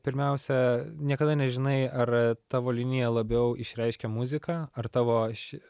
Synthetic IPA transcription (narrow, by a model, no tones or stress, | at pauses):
pʲɪɾʲmʲɛʊsʲɛnʲiɛkɐd̪ɐnʲɛʒʲɪnɐɪɐrt̪ɑːʋoːlʲɪnʲɪjɛlˠɐbʲɛʊʔɪʃʲɾʲɛɪʃʲkʲɛmʊzʲɪkɑɐrt̪ɑːʋoːʃʲ